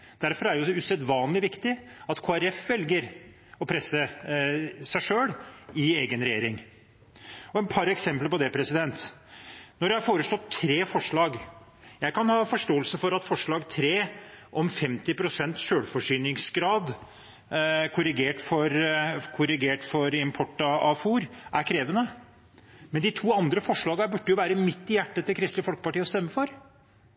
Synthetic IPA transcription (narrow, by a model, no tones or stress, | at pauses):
d̪̥æɾfɔɾæɖɛjʊʉsɛd̪ʋɑːnlɪʋɪkt̪ɪɑt̪kʰoːæɾɛfʋɛlɡəɾ | ɔpʰɾɛsə | sæɪʂøːɽɪeːɡənɾɛjeːɾɪŋ | ɔɛnpʰɑɾɛksɛmpləpɔd̪ɛpʰɾɛsɪd̪ɛnt̪ | nɔɾjæhɑɾfoːɾəʂɭɔt̪ʰːɾeːfɔʂɭɑːɡ | jæɪkɑnhɑːfɔʂʈoːəlsəfɔɾɑt̪fɔʂɭɑːɡt̪ʰɾeːʔɔmfɛmt̪ɪpʰɾʊsɛnt̪ʂøːɽfɔʂyːnɪŋsɡɾɑːd̪ | kʰʊɾɪɡeːʈfɔɾkʰʊɾɪɡeːʈfɔɾɪmpʰɔʈːɑɑfuːɾʔæɾkʰɾeːʋənə | mɛnd̪ɪt̪ʰuːɑnd̪ɾəfɔʂɭɑːɡɑbʉɖːəjʊʋæːɾəmɪt̪ːɪjæʈːət̪ːɛkʰɾɪst̪ləfɔlkə̥pɑʈiːɔst̪ɛmːəfɔɾ